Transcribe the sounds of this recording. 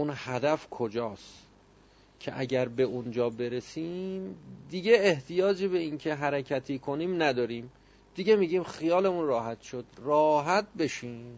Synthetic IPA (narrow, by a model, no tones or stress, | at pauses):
unhæd̪æfkʰo̞d͡ʒɒːst | cʰe̞̰ʔæɟæɾbe̞ʔund͡ʒɒːbe̞ɾesiːmd̪iɟeːht̪ʰijɒːd͡ʒebe̞incʰe̞ɦæɾecʰæt̪ʰiːkʰo̞niːmnæd̪ɒːɾiːm | d̪̥iɡe̞miːɟiːmxijɒːle̞munrɒːɦæt̪ʃo̞d̪̥rɒːɦæt̪̚be̞ʃiːm